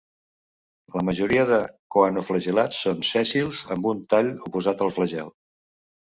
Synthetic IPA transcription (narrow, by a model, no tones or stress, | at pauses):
ləməʒuɾiəðəkoanufləʒilat͡sːonsɛsilˠzəmbunt̪aʎupuzat̪əlˠfləʒɛlˠ